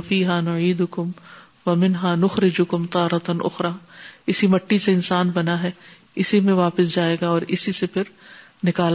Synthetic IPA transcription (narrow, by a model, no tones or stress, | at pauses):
fiːɦaːnʊʕiːd̪ʊkʊm | wɐmɪnɦaːnʊxɾɪd͡ʒʊkʊmt̪aːɾɐt̪nʔʊ̰xɾaːɪsimɐʈːiseɪnsaːnbɐnaɦɛː | ɪsimẽʋaːpɪsd͡ʒaːeːɡaɔːɾɪsisepʰɪɾ | nɪkaːl